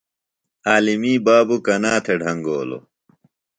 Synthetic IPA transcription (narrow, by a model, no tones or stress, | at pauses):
aːlimiːbaːbukɐnaːt̪ʰeɖʱɐŋɡoːlo̰